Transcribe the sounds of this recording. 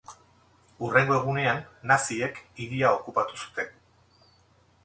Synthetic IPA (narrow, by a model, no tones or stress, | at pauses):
ure̞ŋɡo̞e̞ɣ̞une̞anːasie̞kiðiao̞kupat̪usu̥t̪e̞